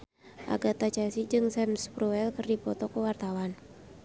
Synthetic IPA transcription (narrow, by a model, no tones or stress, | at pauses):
ʔa̰ɡat̪at͡ʃɛsid͡ʒɨŋsɛmspɾuɛlkərdipɔt̪ɔkəwart̪awan